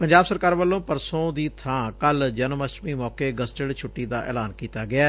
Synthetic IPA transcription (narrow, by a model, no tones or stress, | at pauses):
pəɲd͡ʒaːbsəɾkaːɾʋəlːõːpəɾsõːd̪iːt̪ʰãːkəld͡ʒənməʃmiːmɔːkeːɡəsʈəɽt͡ʃʰʊʈːiːd̪aːʔɛ̰ːlaːnkiːt̪aːɡɪaː